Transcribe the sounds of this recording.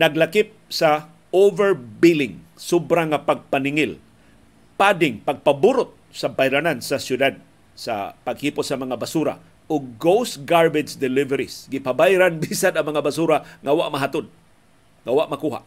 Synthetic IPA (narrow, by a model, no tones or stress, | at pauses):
naɡlakɪp̚sa | ovɛɹbilɪŋ | sʊbɾaŋapaɡ̚panɪŋɪl | padɪŋpaɡ̚pabʊɾʊt̪̚sabajɾanansasjʊd̪ad̪̚ | sa̰paɡhipʊtsamaŋabasuɾa̰ | ʊɡ̚ːowsɡaɹbɪt͡ʃd̪ɪlɪvɛɾisɡɪpabajɾanbisanaŋmaŋabasuɾaŋawaʔmaɦat̪ʊd̪̚ | ŋawaʔmakuɦa̰ʔ